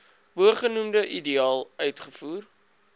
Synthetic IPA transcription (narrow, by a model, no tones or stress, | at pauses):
bəχənumdəʔidiɑːlˠœɥtχəfuːr